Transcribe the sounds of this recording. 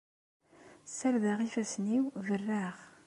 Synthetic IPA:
sælðəʁifæsniwvərːaʁ

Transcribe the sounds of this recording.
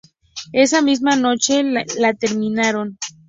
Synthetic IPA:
e̞s̬amizmano̞t͡ʃe̞lat̪e̞ɾmĩnaɾo̞n

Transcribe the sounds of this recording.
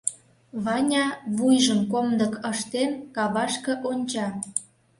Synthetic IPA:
βɑnʲɑβujʒəmkomd̪ə̆kʰəʃt̪enkɑβɑʃkɤ̆ʔonʲt͡ɕɑ

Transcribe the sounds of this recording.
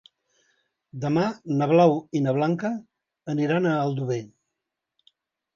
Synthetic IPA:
d̪əmanəβ̞lawinəβ̞laŋkəː | niɾanəːlˠd̪uβe

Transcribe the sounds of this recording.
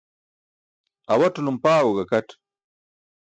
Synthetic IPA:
ɐwɐʈulumpaːwoɡɐkɐʈ

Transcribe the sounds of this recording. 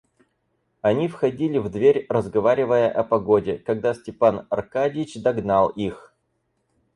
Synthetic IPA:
ɐnʲifxɐdʲilʲɪvd̪vʲeɾʲrəzɡɐvaɾʲɪvəjəʔɐpɐɡodʲɪkɐɡd̪asʲtʲɪpanɐrkadʲɪɪt͡ɕd̪ɐɡnalˠix

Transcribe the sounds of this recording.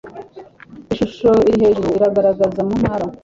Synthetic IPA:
iʃuʃo̞iɾiɦe̞ʒuɾoiɾaɡaɾaɡazamunhaɾa

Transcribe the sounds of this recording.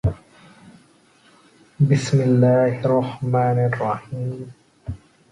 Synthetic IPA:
bɪsmɪlːaːhɪrˤːɑħmaːnɑrˤːɑħiːm

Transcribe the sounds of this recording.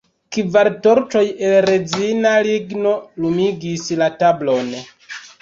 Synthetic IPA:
kivaɾto̞ɾt͡ʃo̞jelɾed͡zinaliɡno̞lumiɡislatablo̞n

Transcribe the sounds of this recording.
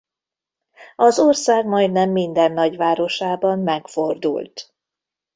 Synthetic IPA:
ɒzorsaːɡmɒjd̪nɛmːind̪ɛnːɒɟʋaːɾo̞ʃaːbɒmːɛkford̪ṵlt̪

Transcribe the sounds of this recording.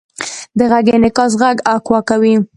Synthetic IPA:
d̪əɣaɡenɪkɑs̬ɣaɡakwɑkawi

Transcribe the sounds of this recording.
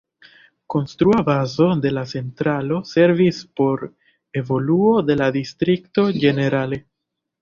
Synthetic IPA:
ko̞nstɾuabazo̞de̞lat͡se̞ntɾalo̞se̞ɾvispo̞ɾ | e̞vo̞luo̞de̞ladistɾikto̞d͡ʒe̞ne̞ɾale̞

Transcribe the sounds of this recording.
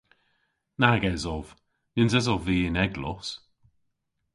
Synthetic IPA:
naɡɛzɔv̥ | nɪnzɛzɔvviːɪnɛɡlɔs

